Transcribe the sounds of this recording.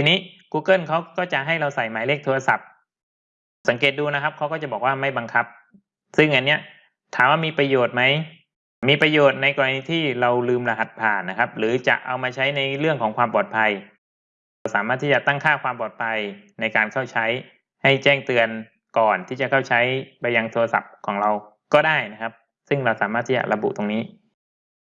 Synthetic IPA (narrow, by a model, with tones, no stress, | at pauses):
t̪ʰiː˧niː˦˥kuː˧kɤ˥˩nkʰa˦˥wkɔː˥˩t͡ɕa˨˩ʔɦa˥˩jɾa˧wsa˨˩jmaː˨˦leː˥˩k̚t̪ʰːɾa˧sa˨˩p̚ | sa˩˦ŋk̬eː˨˩t̪̚duː˧na˦˥kʰa˦˥p̚kʰa˦˥wkɔː˥˩t͡ɕa˨˩bɔː˨˩k̚waː˥˩ma˥˩jba˧ŋkʰa˦˥p̚ | sɯ˥˩ŋʔa˨˧nːi˦˥ɐ | t̪ʰaː˨˩˦mwaː˥˩miː˧pɾa˧joː˨˩t̪̚ma˦˥j | miː˧pɾa˧joː˨˩t̪̚na˧jkɔː˧ɾa˧niː˦˥t̪ʰiː˥˩ɾa˧wlɯː˧mla˧ɦa˨˩t̪̚pʰaː˨˩nːa˦˥kʰa˦˥p̚ɾɯː˩˦t͡ɕa̰˨˩ʔa̰˧wmaː˧t͡ɕʰa˦˥jna˧jɾɯ˥˩əŋkʰɔː˩˦ŋkʰwaː˧mpɔː˨˩t̪̚pʰa˧j | ɾwsaː˩˦maː˥˩t̪ʰːi˥˩t͡ɕa˨˩t̪a˥˩ŋkʰaː˥˩kwaː˧mpɔː˨˩t̪̚pʰa˧jna˧jkaː˧nkʰa˥˩wt͡ɕʰa˦˥j | ha˥˩jt͡ɕɛː˥˩ŋt̪ɯ˧ən | kɔː˨˩nt̪ʰiː˥˩t͡ɕa˨˩kʰa˥˩wt͡ɕʰa˦˥jpa˧ja˧ŋt̪ʰoː˧ɾa˧sa̰˨˩p̚kʰɔː˩˦ŋɾa˧w | kɔː˥˩daː˥˩jna˦˥kʰa˦˥p̚ | sɯ˥˩ŋɾa˧wsaː˨˩˦maː˥˩t̪ʰːiː˥˩t͡ɕa̰˨˩ɾa˧bṵ˨˩ʔt̪o˧ŋniː˦˥